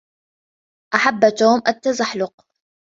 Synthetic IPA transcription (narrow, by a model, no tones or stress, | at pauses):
ʔaħabːt̪oːmʔat̪ːazaħlʊq